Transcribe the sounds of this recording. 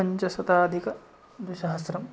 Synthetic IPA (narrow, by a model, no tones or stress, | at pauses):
ɐɲt͡ʃɐsɐt̪aːd̪ʱikɐ | d̪iʃɐɦɐsɾɐm